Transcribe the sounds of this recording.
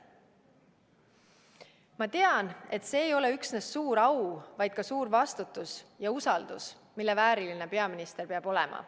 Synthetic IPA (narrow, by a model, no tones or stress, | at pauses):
mɑt̪e̞ɑne̞t̪se̞ːjo̞le̞yksnesːuːɾɑwvɑjd̪̥̚kɑsuːɾvɑst̪ut̪ːˑusjɑusɑld̪̥us | milːe̞væːɾiline̞pe̞ɑminist̪erpeɑb̥o̞lɛ̰mʔɑ̰